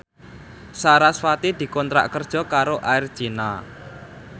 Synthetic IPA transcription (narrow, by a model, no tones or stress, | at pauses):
saɾaswat̪id̪̥i̤kɔnt̪ɾa̰ʔkərd̥ʒ̥ɔ̤kaɾoʔaɪrd̥ʒ̥ina